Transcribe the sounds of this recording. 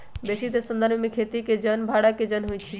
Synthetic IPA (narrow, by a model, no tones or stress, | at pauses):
besit̪esənd̪ʱanmemekʰet̪iked͡ʒənbʱaɽaked͡ʒənɦojt͡ʃʰi